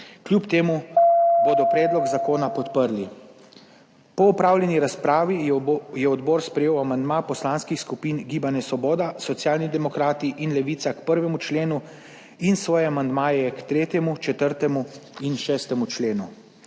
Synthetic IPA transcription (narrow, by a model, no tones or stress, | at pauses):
kljupt̪eːmuboːd̪ɔpɾɛːd̪lɔɡzakoːnapɔt̪pəɾli | pɔupɾaːwljɛniɾaspɾaːʋijɛɔd̪bɔːɾspɾɛjeːwamand̪maːpɔslaːnskixskupiːnɡiːbanjɛsʋɔbɔːd̪asɔt̪sjaːlnid̪ɛmɔkɾaːt̪iʔinlɛʋiːt̪sakpəɾʋɛmut͡ʃleːnu | insʋɔːjɛamand̪maːjɛkt̪ɾeːt̪jɛmut͡ʃɛt̪əɾt̪ɛmuinʃɛːst̪ɛmut͡ʃleːnu